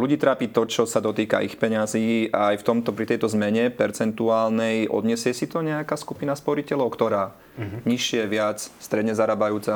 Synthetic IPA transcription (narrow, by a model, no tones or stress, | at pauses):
luɟiːt̪ɾaːpiːt̪ɔt͡ʃɔsad̪ɔt̪iːka̰ʔixpɛɲaziːaːjft̪ɔmt̪ɔpɾit̪ɛjt̪ɔzmɛɲɛpɛɾt͡sɛnt̪uaːlnɛjʔɔ̰d̪ɲɛsɪɛsit̪ɔɲɛakaːskupinaspɔɾicɛlɔʊkt̪ɔɾaː | ɲiʃːɪɛʋɪat͡sst̪ɾɛd̪ɲɛzaɾabajuːt͡sa